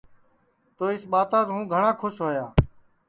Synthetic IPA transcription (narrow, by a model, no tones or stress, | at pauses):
t̪oːɪsɓaːt̪ãːsɦũːɡʱəɳãːkʰʊʃɦoːjaː